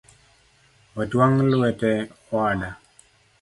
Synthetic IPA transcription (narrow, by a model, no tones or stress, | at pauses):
ɔtwaŋlwɛtɛ | ɔada